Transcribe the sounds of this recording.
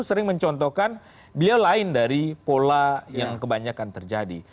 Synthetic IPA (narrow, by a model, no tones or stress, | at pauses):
səɾɪŋməɲt͡ʃɔnt̪ɔkan | bəliawlaɪndaɾipolajaŋkəbaɲakant̪ərd͡ʒadi